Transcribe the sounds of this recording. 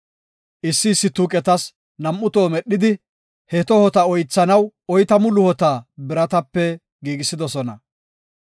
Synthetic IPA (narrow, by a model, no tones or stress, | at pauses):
ʔɪsːɪːsːɪt̪uːkʼɛt̪ɐs | nɐmʔːʊt̪oːmɛɗɪd̪ɪ | hɛt̪ɔhɔt̪ɐɔjt͡sːɐnɐwɔjt̪ɐmʊlʊhɔt̪aːbɪɾɐt̪ɐpːɛ | ɡiːɡɪsːɪd̪ɔsɔnɐ